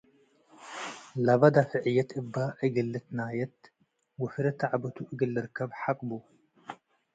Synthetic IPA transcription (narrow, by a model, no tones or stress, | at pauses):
laβad̪afɨʕɨjːɐt̪ɨbːaʔɨɡɐlːɨt̪najɐt̪ | ɡʊfɾɐt̪ːaʕabɐt̪ʰuʔɨɡɐlːɨɾɨkʰːɐbħaqʼbu